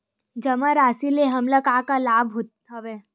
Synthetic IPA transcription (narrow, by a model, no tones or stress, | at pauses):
d͡ʒɐmãɾaːsileɦɐmlakaːkalaːbɦot̪ | aʋe